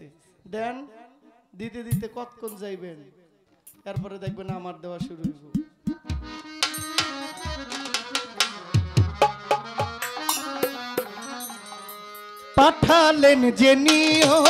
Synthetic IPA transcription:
d̪ɛn | d̪it̪ed̪it̪ekɔt̪kʰond͡ʑajben | ɛɾpɔɾed̪ɛk̚ʰbenaamaɾd̪eoaʃuɾuiko | paʈʰalend͡ʑeniɔ

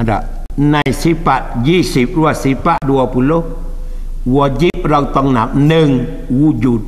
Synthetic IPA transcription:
ada̰ʔ | najsipaʔd͡ʒisip̚ɾuasipaʔduapulo | wɔd͡ʒip̚ɾawt̪ɔŋnap̚nəŋ | wud͡ʒut̚

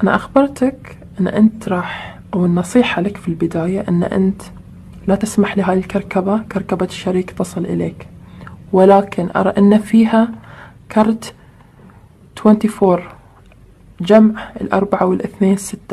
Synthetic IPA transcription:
ʔana̰ʔaxbɑɾˤt̪ak | ʔɪnːʔɪnt̪ɾˤɑːħʔawɪnːɑsˤiːħalakfilbɪd̪aːjaʔɪn̰ːʔɪ̰nt̪ | lat̪ɪsmaħlɪɦaːjɪlkɑɾˤkabakɑɾˤkabaʃːaɾiːkt̪ɑsˤɨlʔɪ̰leːkwɪlaːkɪnʔɑ̰ɾˤɑʔɪnːafiːɦa | kʰɑɾˤt̪ | t̪wɛnt̪ifoːɾˤ | d͡ʒamʕɪlʔɑ̰ɾˤbaʕawɪlʔɪθneːnsɪt̪ːḁ

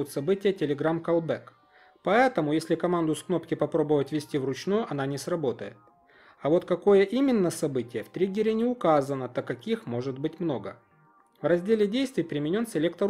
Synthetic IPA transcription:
ʊt̪sɐbɨtʲɪjətʲɪlʲɪɡɾamkɐlˠbɛk | pɐɛt̪əmʊjesʲlʲɪkɐmand̪ʊskno̞pkʲɪpɐpɾo̞bəvətʲvʲɪsʲtʲivrʊt͡ɕnujʊʔɐnanʲɪsrɐbo̞t̪əjɪ̰t̪̚ | ɐvo̞t̪kɐko̞jəʔimʲɪnːəsɐbɨtʲɪjəft̪ɾʲiɡʲɪɾʲɪnʲɪʊkazənət̪okɐkʲixmo̞ʐɨt̪̚bɨtʲmno̞ɡə | vrɐzʲdʲelʲɪdʲejst̪vʲɪjpɾʲɪmʲɪnʲo̞nsʲɪlʲe̞k̚t̪ə

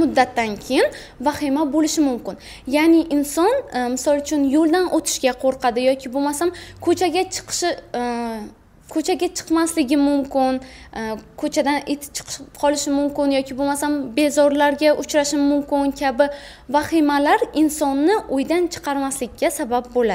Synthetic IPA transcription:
mʊd̪ːat̪ʰːankʲʰejɪn | vaχɪmabolɪʃɪmʊmkʲɪn | janɪʔɪnsɒnmɪsɒlˠʊt͡ʃʰʊnjolˠd̪anʔot̪ʰɪ̥ʃɡʲaqʰoɾqʰɑd̪ɪjɒkʲʰɪbolmasamkʰɵt͡ʃʰaɡʲat͡ʃʰɨ̥qʰʃɪ | kʰɵt͡ʃʰaɡʲat͡ʃʰɨ̥qmaslɪɡʲɪmʊmkʲɪn | kʰot͡ʃʰad̪anet̪ʰɪ̥t͡ʃʰɨ̥qʰʃqʰɒlˠɪʃɪmʊmkʲɪnjɒkʲʰɪbolmasambe̞zɒɾlaɾɡʲaʔʊt͡ʃʰɾaʃɪmʊmkʲɪnkʲʰabɪ | vaχimalaɾɪnsɒnːɪʔojd̪ant͡ʃʰɨ̥qʰɑɾmaslɪkʲːasabap̚bolad̪ɪ

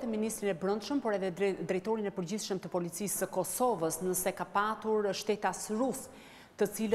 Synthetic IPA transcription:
t̪ɛminist̪ɾinɛbɾənd̪ʃəmpɔɾɛðɛd̪ɾɛjt̪ɔɾinɛpəɾd͡ʑiθʃəmt̪əpɔlit͡sisəkɔsɔvəsnəsɛkapat̪uɾʃt̪ɛt̪asɾus | t̪ət͡silə

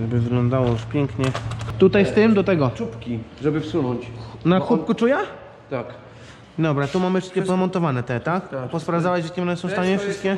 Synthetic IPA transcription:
ɛbɘvɘɡlɔnd̪awɔjuʂpʲjɛŋkɲɛt̪ut̪ajst̪ɘmd̪ɔt̪ɛɡɔupkʲiʐɛbɘfsunɔɲt͡ɕnaxup̚kut͡ʂuja | t̪ak | d̪ɔbɾat̪umamɘfʂɘst̪kʲɛpɔɛmɔnt̪ɔvanɛt̪ɛt̪ak̪pɔspɾavd̪awɛd͡ʑat̪kʲɛɔnɛsɔ̃w̃st̪aɲɛfʂɘst̪kʲɛ

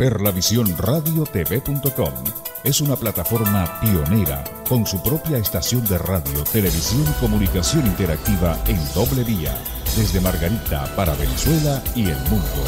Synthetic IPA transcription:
peɾlaβisjo̞nraðjo̞t̪e̞βe̞punt̪o̞ko̞̰m | e̞sunaplat̪afo̞ɾmapio̞ne̞ɾa̰ | ko̞nsupɾo̞pjaest̪asjo̞nd̪eraðjo̞t̪e̞le̞βisjo̞niko̞munikasjo̞nint̪eɾak̚t̪iβae̞nd̪o̞βle̞ðia̰ | ðe̞zðe̞maɾɣaɾit̪a̰paɾaβe̞ne̞swe̞laielmũnd̪o̞̰

